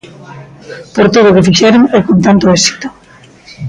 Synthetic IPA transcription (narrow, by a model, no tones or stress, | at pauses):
poɾt̪oð̞okefiʃɛɾoŋɛkont̪ant̪oɛsi̥t̪o̥